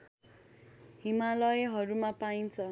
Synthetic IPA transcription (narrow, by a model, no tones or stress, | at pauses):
ɦimalʌjɦʌɾumapaint͡sʰʌ